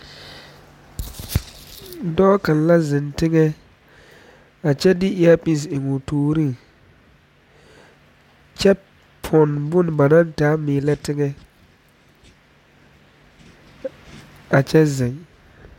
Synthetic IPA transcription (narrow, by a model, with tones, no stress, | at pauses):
dɔː˦kã˨n˨la˦zɪ˨ntɪ˦ŋɛ˦ | a˨t͡ʃɛ˦dɪ˦ʔɪ˦a˦pi˦˨s̬ɪ˨ŋʊ˨toː˦ɾi˦˨ | t͡ʃɛ˦ | pʰɔ˨nbʊ˦n˨ba˨nã˦ntaː˨˦mɪː˨lɛ˦tɪ˦ŋɛ˦ | a˨t͡ʃɛ˦zɪ˨ŋ